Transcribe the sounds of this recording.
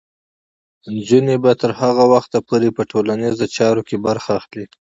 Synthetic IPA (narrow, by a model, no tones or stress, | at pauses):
nd͡ʒunebat̪əɾhaɣawaxt̪apʰoɾepəʈʰolanezot͡ʃɑɾokebaɾxaːxli